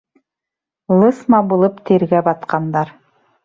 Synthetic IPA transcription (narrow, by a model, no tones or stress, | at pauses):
lˠɤsmɑbulˠɤpt̪ĕɾɡæbɑt̪qɑnd̪ɑɾ